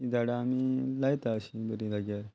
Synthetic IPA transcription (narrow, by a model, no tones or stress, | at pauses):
id̪aɽaːmilajt̪aəɕibəɾilaɡjaɾ